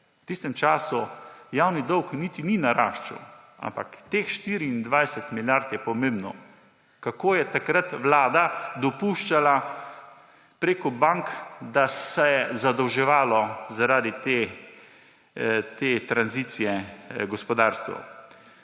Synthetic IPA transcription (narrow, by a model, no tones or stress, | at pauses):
t̪ist̪ɛmt͡ʃaːsujawnid̪ɔwknit̪ininaɾaʃt͡ʃṵ | a̰mpa̰kt̪eːxʃt̪iɾiːnd̪ʋajsɛt̪miljaɾt̪jɛpɔmẽmbnɔ | kakoːjɛt̪akɾat̪ʋlaːd̪ad̪ɔpuːʃt͡ʃala | pɾeːkɔbaŋkd̪asɛjɛzad̪ɔwʒɛʋaːlɔzaɾaːd̪it̪e | t̪eːt̪ɾanziːt̪sijɛɡɔspɔd̪aːɾst̪ʋɐ̰